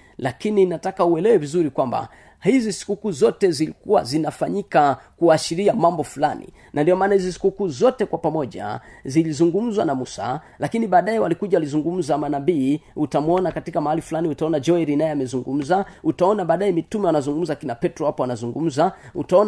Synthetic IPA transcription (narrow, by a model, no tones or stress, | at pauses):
lakininatakauɛlɛwɛvizuɾikwamba̰ | hizisi̥kukuːzɔtɛzilikuwa̰zinafaɲikakuaːʃiɾiamambɔfulanḭ | nʔandiɔmaːnahizisi̥kukuːzɔtɛkwapamɔʄa̰zilizuŋɡum̩zwanamusa̰ | lakiniɓaːɗaɛwalikuʄawalizuŋɡum̩zamanabiutamuɔnakatikamahalifulaniutaɔnad͡ʒɔiɾinajɛamɛzuŋɡum̩zautaɔnaɓaːɗaɛmitumɛwanazuŋɡum̩zakinapɛtɾɔwapɔanazuŋɡum̩zautaɔn